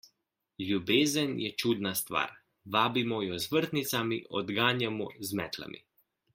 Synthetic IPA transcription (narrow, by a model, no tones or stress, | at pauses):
lʲjubeːzənjɛt͡ʃuːd̪nast̪ʋa̰ːɾ | ʋaːbimɔjɔzʋəɾt̪nit̪samiʔɔd̪ɡaːnjamɔzmɛːt̪la̰mʔḭ